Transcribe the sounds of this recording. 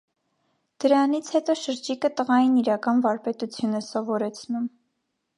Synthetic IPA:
d̪̥əɾɑnit͡sʰhɛt̪ɔʃəɾd͡ʒikət̪əʁɑjiniɾɑkɑnvɑɾpɛt̪ut͡sʰjunɛsɔvɔɾɛt͡sʰnum

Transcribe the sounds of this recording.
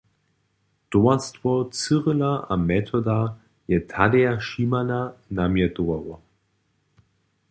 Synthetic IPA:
d̥oɐstvɔt͡sɨʁəlaʔamɛtʰɔda | jɛtʰadɛaʃiːmananamjɛdoawɔ

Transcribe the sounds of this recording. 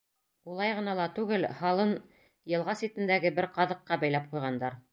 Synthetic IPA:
ulˠɑjʁɤ̆nɑlˠɑt̪ʉɡɘlhɑlˠɤn | jɤ̆lˠʁɑsit̪ɘ̆nd̪æɡɘbɘɾqɑðɤ̆qːɑbæjlæp̚qujʁɑnd̪ɑɾ

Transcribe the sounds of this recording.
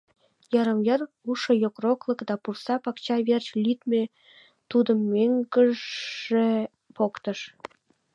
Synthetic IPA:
jɑɾɤ̆mjɤr | uʂɤ̆jokroklˠɤ̆kd̪ɑpursɑpɑkt͡ɕɑβʲerʲt͡ɕlʲyt̪mʲe | t̪ud̪ɤ̆mːeŋɡə̆ | ĕ | pokt̪ɤ̆ʃ

